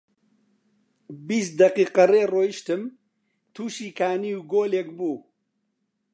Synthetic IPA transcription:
bist̪̚d̪ɐqiːqɐreːroːjiʃt̪ɨm | t̪ʰuːʃiːkʰaːniːwɡoːleːkbuː

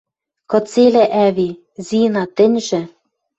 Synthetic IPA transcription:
kɤ̆t͡selæʔæβi | zinɑt̪ɘ̆nʲʒɘ̆

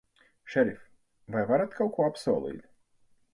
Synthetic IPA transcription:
ʃɛɾʲif | vajvaɾat̪kalkuːapsɔːlˠḭːd̪ʲ

